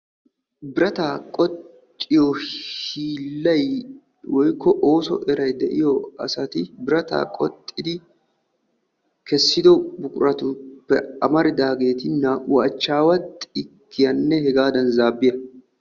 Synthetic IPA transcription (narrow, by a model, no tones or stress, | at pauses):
bɪɾɐt̪aːkʼɔt̪ʼː | ɪjɔhiːlːɐj | wɔjkːɔʔo̞ːsɔ̰ʔɛɾɐjd̪ɛʔɪjɔɐ̰sɐt̪ɪbɪɾɐt̪a̰ːkʼɔt̪ʼːɪd̪ɪ | kɛsːɪd̪ɔbʊkʼʊɾɐt̪ʊpːɛɐmɐɾɪd̪aːɡe̞ːt̪ɪnːɐʔʊʔɐt͡ʃːaːwɐt̪ɪkʰːɪjɐnːɛhɛɡaːd̪ɐnzaːbːɪjɐ